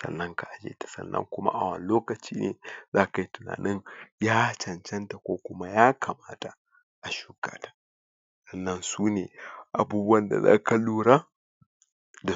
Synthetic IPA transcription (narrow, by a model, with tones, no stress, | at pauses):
sɐ̰˨nːɐ˦ŋka˨ʔa˨d͡ʒḛː˦tḁ˨sɐ̰˦nːɐ̰˦ŋkʷʊ˦ma̰˦ʔa˨wɐ̰˨n˦loː˦kɐ˨t͡ʃiː˦nḛː˨zaː˦ka˨i˦tʊ˨na̰ː˨nɪ˦ŋjaː˦t͡ʃɐ˨nt͡ʃɛ˦nta˨kʷoː˦kʷʊ˦ma˦jaː˦kʰa˨maː˦ta˨ | ʔa˨ʃuː˦ka̰ː˦tḁ˦˨ | sɐ˦˨nːɐ˦nsuː˦neː˨ʔa˨buː˦bu˦ɐ˦nda̰˨za̰ː˦ka˨luː˦ɽa˦ | da˨